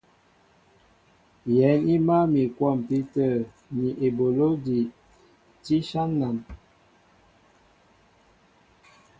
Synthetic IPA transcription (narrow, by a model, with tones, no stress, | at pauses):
jɛ˨˦ni˦ma˦mi˨kwɔ˦˨mpi˦tə˦˨ | mi˨ʔe˨bo˨lo˦di˨ | ti˦ʃa˦nːa˨n